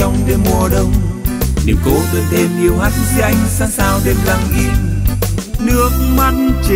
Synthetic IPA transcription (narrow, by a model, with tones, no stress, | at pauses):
ɔ˧wŋ͡mɗe˧mu˧˩əɗə˧wŋ͡mnḭ˨˩əwŋ͡mko˧zɨ̰˨˧˨nɗ̪e˧mʔi˧əwhaː˦˥t̚zɨ˧˦ʔa˧jŋ̟saː˧ŋsaː˧wɗe˧mlaː˧ŋʔi˧əw | nɨ˦˥ək̚ma˧t̚t͡ɕi˧˨